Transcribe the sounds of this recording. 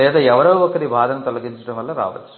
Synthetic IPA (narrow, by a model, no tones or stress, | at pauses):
jaːðɐɛʋɐɾɐʋɯʋɐkːɐɾibʱaːðɐnɐt̪ɔɭɐŋɡɪɲd͡ʒɪʈːɯmɐlːɐɾa̰ːʋɐ̰̥